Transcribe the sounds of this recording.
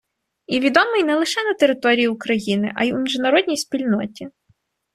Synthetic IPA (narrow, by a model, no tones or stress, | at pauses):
iʋʲid̪ɔmɪjnɛlˠɪʃɛnɐt̪eɾɪt̪ɔɾʲijiʊkɾɐjinɪ̰ʔɐ̰jumʲiʒnɐɾɔd̪ʲnʲijspʲilʲnɔtʲi